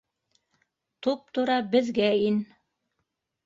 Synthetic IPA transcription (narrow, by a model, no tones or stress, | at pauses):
t̪up̚t̪ŏɾɑbɘ̆ðɡæin